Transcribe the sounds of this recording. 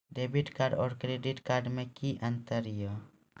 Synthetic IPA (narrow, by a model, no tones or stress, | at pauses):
ɖebiʈkaɾɖɔːɾkɾeɖiʈkaɾɖmẽkiʔənt̪əɾɪjo